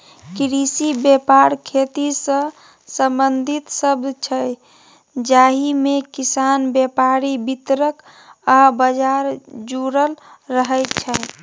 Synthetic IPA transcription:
kɾisibepaɾkʰet̪isə̃ | sə̃mbənd̪ʱit̪səbd̪ʱt͡ʃʰəj | d͡ʒaɦimekisanbjepaɾibit̪ɾək | abəd͡ʒaɾd͡ʒuɾəlɾəɦəjt͡ʃʰəj

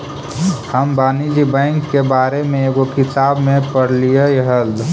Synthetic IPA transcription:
həmbaːnid͡ʒibə̃ɪŋkːebaːɾemẽeɡokɪt̪aːbmẽpəɽlijejɦəld̪

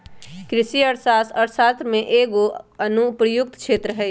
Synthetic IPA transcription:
kɾɪʃiəɾsaːsɔːɾsaːt̪ɾmẽʔeːɡoɐnupɾəjʊk̚t̪kʃʰeːt̪ɾəɦɛ

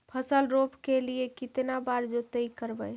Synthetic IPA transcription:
pʰəsəlɾopkeliekit̪nabaɾd͡ʒot̪əikəɾbəj

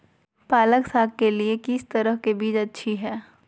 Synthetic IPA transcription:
paːləksaːɡ̚kːeliekɪst̪ɐɾəɦkebiːd͡ʒɐtːʃʰiɦɛː

